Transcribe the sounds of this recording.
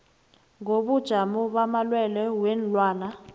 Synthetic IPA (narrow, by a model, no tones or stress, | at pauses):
ŋoɓud̥ʒ̥ʱamuɓamalwɛlɛwɛnlwaːna